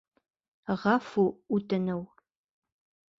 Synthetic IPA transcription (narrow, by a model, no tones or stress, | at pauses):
ʁɑfuutɨnəw